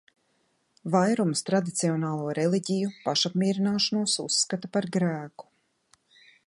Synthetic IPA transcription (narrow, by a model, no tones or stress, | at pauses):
vajɾumst̪ɾad̪it̪siɔnaːlˠuːɾɛlˠiɟʲijupaʃapmʲiɛɾinaːʃanuɔsusːkat̪apaɾɡɾæːku̥